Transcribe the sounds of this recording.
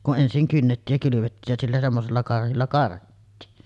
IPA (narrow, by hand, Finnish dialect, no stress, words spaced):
kun ʔensiŋ kynːetːiːj jɑ kylyʋetːiːj jæ silːæ semːoselːɑ kɑrhilːɑ kɑrhitːiːn